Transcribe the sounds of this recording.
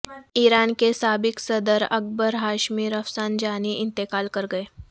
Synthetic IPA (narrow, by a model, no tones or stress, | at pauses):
iːɾaːnkesaːbɪksɐd̪əɾɐ̰k̚bəɾɦaːʃmiːɾɐfsaːnd͡ʒaːniʔɪ̃nt̪ɪkaːlkɐɾɡɐeː